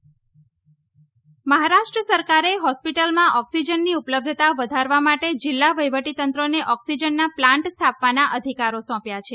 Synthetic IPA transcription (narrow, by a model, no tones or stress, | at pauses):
məɦaɾaʃʈɾəsəɾkaɾeɦɔspiʈəlmãʔɔksid͡ʒənːiupləb̚d̪ʱət̪aʋəd̪ʱaɾʋamaʈed͡ʒilːaʋəjʋəʈit̪ənt̪ɾoneʔɔksid͡ʒənːaplãɳʈst̪ʰapʋanaʔəd̪ʱikaɾosɔ̃pjat͡ʃʰe